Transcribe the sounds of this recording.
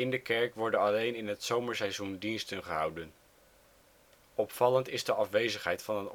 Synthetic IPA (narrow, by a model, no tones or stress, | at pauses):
ɪndəkɛɹkʋɔɹdənɑlejnɪnɦətsowməɹsɛjzundinstənχəɦɑ̰wdən | ɔpfɑləntɪzdəʔɑfʋejzəχɦɛjtfɑnən